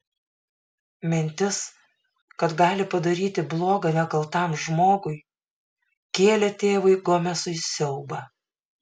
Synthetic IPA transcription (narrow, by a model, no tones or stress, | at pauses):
mʲɪnʲt̪ʲɪs | kɐt̪ɡɑːlʲɪpɐd̪ɐɾʲiːt̪ʲɪblˠoːɡɐnʲɛkɐlˠt̪ɑˑmʒmoːɡʊɪ | kʲeːlʲɛt̪ʲeːʋɐɪɡomʲɛsʊɪsʲɛʊbɐ